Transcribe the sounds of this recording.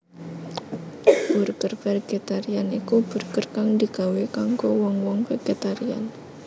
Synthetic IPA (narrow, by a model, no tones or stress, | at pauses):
b̥urkərfɛrɡ̥et̪aɾianikub̥ṳrkərkaŋd̪i̤ɡ̥a̤wekaŋkowɔŋwɔŋfeɡ̥et̪aɾia̰n